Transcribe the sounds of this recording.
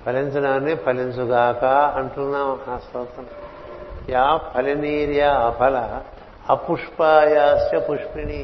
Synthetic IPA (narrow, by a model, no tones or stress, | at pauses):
pʰɐlend͡ʒunaːnːepʰɐlent͡ʃuɡaːkaɐɳʈunːaːɐhaːsɐːt̪ɐn | jaːpʰɐliniːɾjaɐpʰɐlɐ | ɐpuʂpajaːst͡ʃɐpuʂpini